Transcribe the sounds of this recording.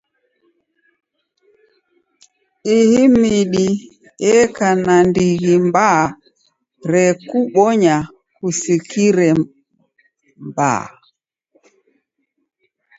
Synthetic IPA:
ihimiɗi | ɛkanandiɣimba | ɾɛkuɓɔɲa | kusikiɾɛ | mba̰

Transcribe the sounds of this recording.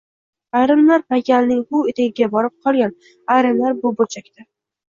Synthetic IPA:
ajɾɪmlaɾpakʲalnɪŋbʊet̪ʰaɡʲɪɡʲabɒɾɪp̚qʰɒlˠɡʲan | ajɾɪmlaɾbʊbolt͡ʃʰakʲt̪ʰa

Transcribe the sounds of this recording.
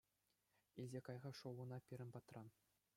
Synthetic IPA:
ilʲzʲekɑjʁɑʂowɤ̆nɑpʲiɾʲɘ̆npɑt̪rɑn

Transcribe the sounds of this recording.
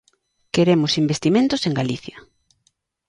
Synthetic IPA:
keɾemʊsimbest̪imẽnt̪ʊseŋɡaliθjɐ

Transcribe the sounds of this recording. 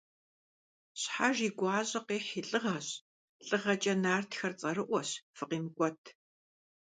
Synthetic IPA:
ɕħaʒiːɡʷɑːɕʼɐqeːħiːɬʼɨʁɐɕ | ɬʼɨʁɐt͡ʃʼɐnaːrtxɐrt͡sʼɐrɨʔʷɔɕfɨqiːmɨkʷʼɔtʰ

